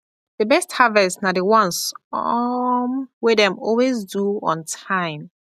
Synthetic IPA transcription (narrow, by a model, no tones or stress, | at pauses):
d̥əbɛsthavɛsnadəwɔ̃nsɔmwɛdɛ̃mɔlwezduɔ̰̃ntʰãɪ̃m